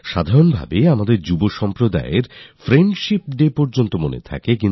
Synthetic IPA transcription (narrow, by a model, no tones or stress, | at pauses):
ʃad̪ʱaɾonbʱa̰beamad̪eɾd͡ʑuboʃɔmpɾod̪a̰eɾfɾeɳɖʃip̚ɖepɔɾd͡ʑont̪omonḛt̪ʰa̰kekin